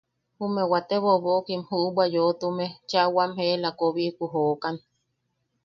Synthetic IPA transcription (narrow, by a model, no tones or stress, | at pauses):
humewat̪eβoβoʔkimhuʔbwajot̪umet͡ʃaʔwamhelakoβiʔkʷuɦoʔkan